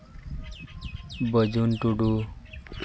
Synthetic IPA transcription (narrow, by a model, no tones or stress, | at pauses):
bəd͡ʑunʈuɖu